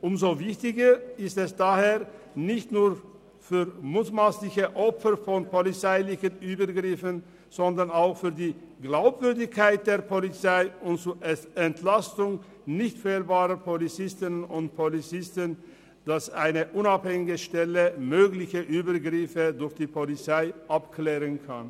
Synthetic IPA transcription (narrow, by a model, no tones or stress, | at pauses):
ʔʊmzoːvɪçtɪɡɐɪstɛsd̥aːheːɐ | nɪçtnuːɐ | fyːʁmuːtmaːslɪçəʔɔpfəɾfɔnpolit͡saɪlɪçənʔyːbəɡʁɪfən | z̥ɔndɐʁnaʊxfyːɐdiː | ɡlaʊpv̥ʏɐdɪçkʰaɪt̚d̥eːɐpʰolit͡saɪʊntt͡suʔɛɛntʰlastʊŋ | nɪçtfɛːlbaːʁəpʰolit͡sɪstɪnənʊnt̚pʰolit͡sɪstən | d̥asaɪnəʔʊnaphɛŋɪɡəʃtɛləmøːɡlɪçəʔyːbəɡʁɪfədʊɐçd̥iːpʰolit͡saɪʔapkʰlɛːʁənkʰa̰n